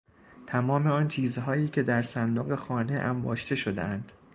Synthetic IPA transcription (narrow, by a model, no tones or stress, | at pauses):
t̪ʰæmɒːmeɒːnt͡ʃ̪ʰiːzɦɒːiːcʰe̞d̪æɾsænd̪oɣe̞xɒːne̞ʔæmbɒːʃt̪ʰe̞ʃo̞d̪ḛænd̪̥